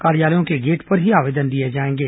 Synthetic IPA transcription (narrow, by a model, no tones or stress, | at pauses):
kaːɾijaːləjõkeɡeːʈpɐɾɦiaːʋeːd̪ənd̪ied͡ʒaːẽːŋɡeː